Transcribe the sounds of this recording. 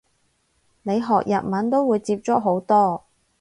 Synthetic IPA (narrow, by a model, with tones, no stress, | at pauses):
ne˨˧jɦɔː˨k̚jɐ˨t̚mɐ˨˥nt̪o˥wwuː˨˧jt͡siː˧p̚t͡ʃɔ˨˥ɦo˨˥wt̪ɔː˥